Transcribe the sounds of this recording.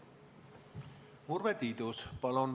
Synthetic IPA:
murvet̪id̪uspɑlon

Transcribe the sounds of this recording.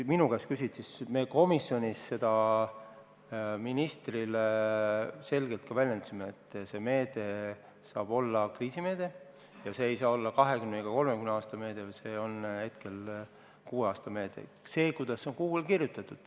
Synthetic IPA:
minukæskysit̪sisme̞ko̞misːjo̞nʲisːe̞d̪̥ɑ | minist̪rile | se̞lɡ̥e̞lt̪̚kɑvælʲjed̪simeet̪ːˑse̞me̞ːd̪̥e̞ | sɑ̰ːb̥o̞lːɑkriːsime̞ːd̪̥e̞ | jɑse̞ːjsɑːo̞lːɑkɑɦe̞kymneɡ̥ɑko̞lmekymneɑːst̪ɑme̞ːd̪̥evɑse̞o̞nhe̞t̪ke̞l | kuːeɑːst̪ɑme̞ːd̪̥e̞̰ | se̞ːkujd̪̥ɑsːoŋkuːɡelkirjut̪ːˑɑt̪ːˑud̪̥

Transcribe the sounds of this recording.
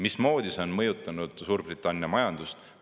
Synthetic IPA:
mismo̞ːd̪̥isonmɤjut̪ːˑɑnud̪̥suːrb̥rit̪ːˑɑnːjɑmɑjɑnd̪̥ust̪

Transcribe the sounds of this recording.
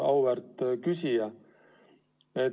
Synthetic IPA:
ɑwvært̪ːˑkysijɑ | e

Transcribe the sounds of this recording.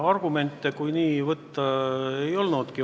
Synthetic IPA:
ɑrɡ̥ume̞nʲt̪ːˑekujniːvɤt̪ːɑejo̞lnud̪̥ki

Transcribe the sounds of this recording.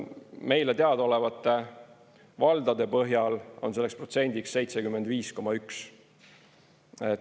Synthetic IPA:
me̞jlet̪eɑd̪o̞le̞vɑt̪ːˑe̞ | vɑld̪̥ɑd̪̥e̞pɤɦjɑlo̞nse̞lːespro̞t̪se̞nʲd̪iksːe̞jt̪sekymːend̪viːsko̞mɑyks | et

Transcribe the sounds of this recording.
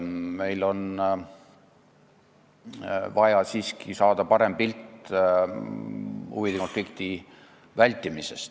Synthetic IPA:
me̞jlo̞n | vɑjɑsiːskisɑːd̪̥ɑpɑɾe̞mpilt̪ːˑ | ṵvid̪eko̞nflikt̪i | vælʲt̪ːˑimise̞st̪

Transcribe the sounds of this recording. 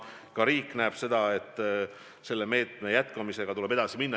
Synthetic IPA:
kɑɾiːkːˑnæːb̥se̞d̪̥ɑe̞t̪ːˑ | se̞lːe̞me̞ːt̪me̞jæt̪ˑkɑmise̞ɡ̥ɑt̪ule̞be̞d̪̥ɑsiminː

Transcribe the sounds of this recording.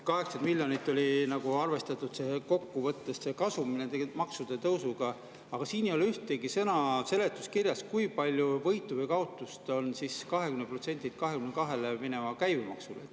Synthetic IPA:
kɑɦe̞ksɑnd̪milʲjonit̪ːˑo̞lʲinɑɡ̥uɑrve̞st̪ɑt̪ːˑud̪̥seko̞kːuvɤt̪ːessekɑsuminet̪emɑksud̪̥e̞t̪ɤwsuɡ̥ɑ | ɑɡ̥ɑsiːnejolyht̪eɡ̥isɤnɑse̞le̞t̪ːˑuskirjɑskujpɑlʲjuvɤjt̪ːˑuvɤjkɑo̞t̪ːˑust̪o̞nsiskɑɦe̞kymnepro̞t̪se̞nʲt̪it̪̚kɑɦe̞kymnekɑɦe̞lemine̞mɑkæjvemɑ̰ksule

